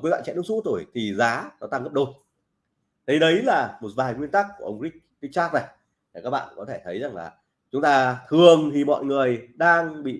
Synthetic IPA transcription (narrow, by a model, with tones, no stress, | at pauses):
kːwa̰ː˧˨nt͡ɕɛ̰˧˨ɨ˨˦˥ŋsu˧˥t̪o˧˩jt̪ʰi˨˩zaː˨˦nɔ˨˦t̪aː˧ŋɣə˦˥p̚ɗo˧ | ɗə˨˦jɗə˨˦jlaː˨˩mo˨˩t̚vaː˨˩jŋwi˧ənt̪aː˦˥k̚kːu˧˩əʔə˧wŋ͡mɣi˦˥k̚ː | i˦˥k̚saː˦˥k̚nə˨˩jʰ | i˨˩kaː˦˥k̚ɓa̰ː˧˨˧kɔ˨˦t̪ʰe˧˩t̪ʰə˨˦jza˨˩ŋlaː˨˩ | t͡ɕʊ˨˦ŋ͡mt̪aː˧t̪ʰɨ˨˩əŋt̪ʰi˨˩mɔ̰˧˨jŋɨ˨˩əjɗaː˧ŋɓḭ˧˨